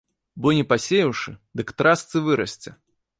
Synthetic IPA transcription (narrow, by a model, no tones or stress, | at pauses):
bɔnʲɛpasʲejɐwʂɨd̪ɨkt̪ɾast̪sɨvɨɾɐsʲt͡sʲɛ